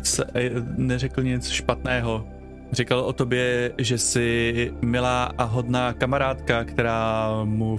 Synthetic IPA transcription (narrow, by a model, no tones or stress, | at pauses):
t͡s | nɛrɛkl̩ɲɛt͡sʃpat̪nɛːɦo̞ | rɪkalʔot̪objɛʒɛsɪmɪlaːʔaɦo̞d̪naːkamaɾaːt̪kakt̪ɛɾaːmu